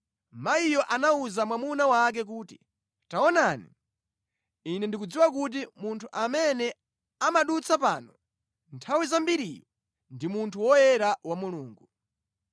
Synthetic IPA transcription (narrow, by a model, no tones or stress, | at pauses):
maijɔʔanauzamwamunawak̬ɛk̬uːti | taɔnanḭ | inɛndikud͡ziwakut̬imuntʰuʔamɛnɛ | amaɗut͡sʰapa̰ːnɔ | ntʰawizambiɾijɔ | ndimuntʰuwɔjɛɾawamuluːŋɡu